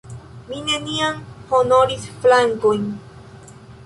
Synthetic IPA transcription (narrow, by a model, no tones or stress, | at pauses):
mine̞niamhono̞ɾisflaŋkojn